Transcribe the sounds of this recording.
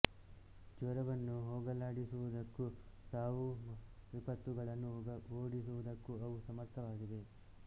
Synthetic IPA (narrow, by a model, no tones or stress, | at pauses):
d͡ʒʋɐɾɐʋɐnːuɦoːɡɐlaːɽisuʋud̪ɐkːusaːʋuʋipɐt̪ːuɡɐɭɐnːuɡɐoːɽisuʋud̪ɐkːuɐʋusɐmɐɾt̪ʰɐʋaːɡid̪e̞